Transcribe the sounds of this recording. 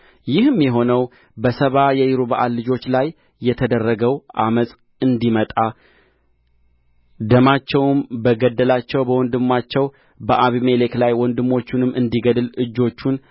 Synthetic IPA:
jɪhɨmjɛɦo̞nəw | bəsəβajɛjɪɾuβaʔallɨd͡ʒo̞t͡ʃːlajː | ɛt̪ʰəd̪ərːəɡəwʔaməsʼ | ɨnd̪imət̪ʼa | d̪əmat͡ʃːɛwmbəɡəd̪ːəlat͡ʃːɛwbəwɔnd̪ɨmːat͡ʃːɛw | bəʔaβimele̞klajwɔnd̪ɨmːo̞t͡ʃːunɨmːɨnd̪iɡəd̪ɨlɨd͡ʒːo̞t͡ʃːun

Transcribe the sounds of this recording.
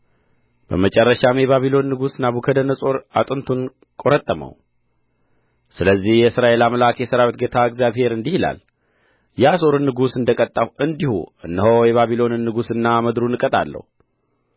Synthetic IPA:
b̥ə̰mət͡ʃʼɛrːəʃamjɛβaβilo̞nːɨɡusnaβukʰəd̪ənːəsʼo̞ɾat̪ʼɨnt̪ʰun | kʼo̞ɾət̪ʼːəmə̰w | sɨləzːihjɛsɨɾaʔe̞laməlakjɛsəɾawit̪̚ɡet̪ʰaɨɡzjaβhe̞ɾɨnd̪ihila̰l | jaso̞ɾɨnːɨɡusɨnd̪əkʼət̪ʼːawɨnd̪ihṵɨ̰nːəɦojɛβaβilo̞nɨnːɨɡusɨnːaməd̪ɾunɨkʼət̪ʼa̰lːə̰hu

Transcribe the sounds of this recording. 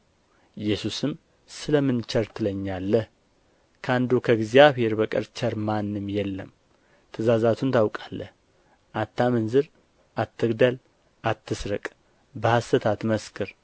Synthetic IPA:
ɪjɛsusɨm | sɨləmɨnt͡ʃəɾt̪ʰɨləɲːalːəh | kʰəand̪ukʰəɡzjaβhe̞ɾbəkʼɨ̰ɾt͡ʃʰəɾmanːɨmjɛlːə̰m | t̪ʰɨzazat̪ʰunt̪ʰawkʼalːə̰h | ʔat̪ːamənzɨɾ | ʔat̪ːɨɡd̪əl | at̪ːɨsɾəkʼ | bəhast̪ət̪ʰat̪məskʰɨɾ

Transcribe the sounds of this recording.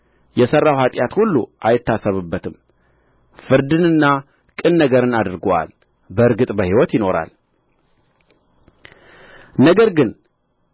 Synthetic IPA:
jɛsərːawhat̪ʼjat̪hulːṵʔajɪt̪ːasəβɨbːət̪ʰɨm | fɨɾd̪ɨnɨnːa | kʼɨnːəɡəɾɨnad̪ɨɾɡowa̰l | bəɨɾɡɨt̪ʼbəhiwɔt̪jɪno̞ɾa̰l | nəɡəɾɡɨn

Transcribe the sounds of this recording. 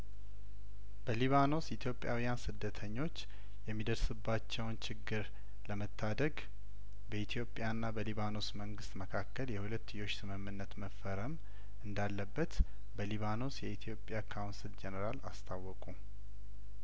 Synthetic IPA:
bəliβano̞sɪt̪ʰjo̞pʼːjawijansɨd̪ːət̪ʰəɲːo̞t͡ʃː | jɛmːid̪əɾsɨbːat͡ʃːɛwnt͡ʃʰɪɡːɨɾ | ləmət̪ʰːad̪əɡ | bəit̪ʰjo̞pʼːjanːabəliβano̞sməŋɡɨst̪məkʰakːəljɛhulət̪ːɨjo̞t͡ʃːsɨmɨmːɨnːət̪məfːəɾəm | ɨnd̪alːəbːət̪ | bəliβano̞sjɛit̪ʰijo̞pʼjakʰawnsild͡ʒɛnəɾalast̪ʰawːɔkʼu

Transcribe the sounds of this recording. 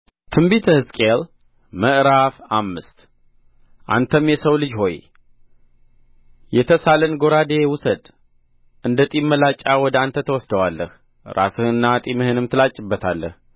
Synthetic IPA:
t̪ʰɨmbit̪ʰəhɨskʼel | məʔɾafamːɨst̪ | ʔa̰nt̪ʰəmjɛsəwlɨd͡ʒho̞j | jɛt̪ʰəsalənɡo̞ɾad̪ewʊsəd̪ | ʔɨnd̪ət̪ʼimːəlat͡ʃʼːawɔd̪əant̪ʰət̪ʰəwɔsd̪əwalːəh | ɾʔa̰sɨhɨnːat̪ʼimɨhɨnɨmt̪ʰɨlat͡ʃʼːɪbːət̪ʰalːə̰h

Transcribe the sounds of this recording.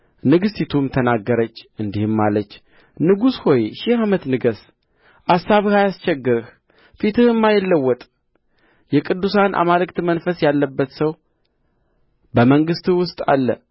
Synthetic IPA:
nɨɡɨst̪it̪ʰumt̪ʰənaɡːəɾət͡ʃːɨnd̪ihɨmːalət͡ʃː | nɨɡusho̞jʃɪhamət̪nɨɡəs | ʔasːaβhajast͡ʃɛɡːɨɾɨh | fit̪ʰɨhɨmːajɪlːəwːɔt̪ʼ | jɛkʼɨd̪ːusanʔa̰malɨkt̪mənfəsjalːəbːət̪səw | bəməŋɡɨst̪ɨwʊst̪ʼa̰lːə̰

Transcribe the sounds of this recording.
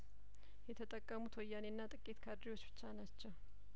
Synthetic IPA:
hɛt̪ɐt̪ʼɐkʼːɐmʊt̪ʰɔjːanɪnːaːt̪ʼɐkʼːeːt̪kʰɐrːiɔsfɪ̥t͡ʃːaːnɐt͡ʃːɐ

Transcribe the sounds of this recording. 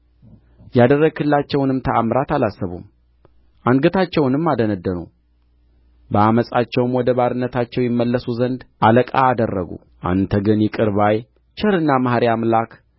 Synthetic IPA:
jad̪ərːəɡɨlːat͡ʃːɛwnɨmt̪ʰəamɾat̪alasːəβṵm | ʔaŋɡət̪ʰat͡ʃːɛwnɨmːad̪ənəd̪ːənṵ | bəaməsʼat͡ʃːɛwmwɔd̪əβaɾɨnːət̪ʰat͡ʃːɛwjɪmːəlːəsuzənd̪ʔaləkʼa̰ːd̪ərːəɡṵ | ʔa̰nt̪ʰəɡɨnjɛkʼɨɾβaj | t͡ʃʰəɾɨnːamahɾiamlakʰ

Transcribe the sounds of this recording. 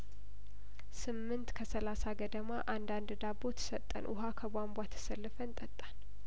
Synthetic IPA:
sɨmːɨnt̪kʰəsəlasaɡəd̪əmaʔand̪and̪ɨd̪abot̪ʰɨ̥sət̪ʼːə̰nʔʊ̰ɦakʰəbʷambʷat̪ʰːɨ̥səlːɨfənt̪ʼət̪ʼːan

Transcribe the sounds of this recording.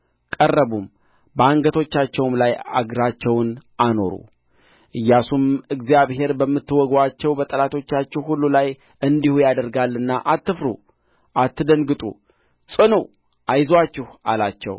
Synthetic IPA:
kʼərːəβum | bəaŋɡət̪ʰo̞t͡ʃːat͡ʃːɛwmlaja̰ɡɾat͡ʃːɛwnʔano̞̰ɾṵ | ʔɨjːasumɨɡzijaβhe̞ɾbəmːɨt̪ːɨwɔɡwat͡ʃːɛwbət̪ʼəlat̪ʰo̞t͡ʃːat͡ʃːɛwhulːulaj | ɨnd̪ihujad̪əɾɡalːɨnːaʔat̪ːɨfɾṵ | ʔat̪ːɨd̪əŋɡɨt̪ʼṵ | sʼɨnuw | ʔajzwat͡ʃːɪhalat͡ʃːɛ̰w

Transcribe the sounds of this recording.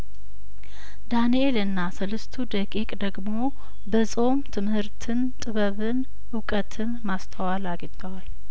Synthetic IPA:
d̪anielɨnːasɨlɨst̪ʰud̪əkʼikʼd̪əɡmo̞ | bəsʼo̞mt̪ʰɨmhɨɾt̪ʰɨnt̪ʼɨβəβɨn | ʊkʼət̪ʰɨnmast̪ʰəwalaɡt̪ʼəwal

